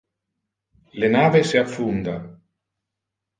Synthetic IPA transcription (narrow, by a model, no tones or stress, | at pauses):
lenaːveseafːund̪a̰